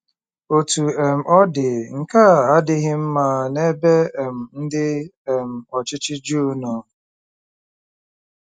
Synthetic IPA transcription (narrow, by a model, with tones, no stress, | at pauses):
o˨tu˨e˨m̩˨ʔɔ˦dɪ˨ŋ̩˨ka˦˨a˦dɪ˦ɣɪ˦m̩˦ma˦ne˦be˦e˨m̩˨n̩˦dɪ˦e˨m̩˨ɔ˨t͡ʃɪ˦t͡ʃɪ˦d͡ʒu˦nɔ˨